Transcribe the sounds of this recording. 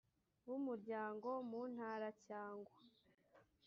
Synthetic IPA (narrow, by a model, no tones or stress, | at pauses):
wumuɾɟaːŋɡo̞muːn̥haɾacaːŋɡwa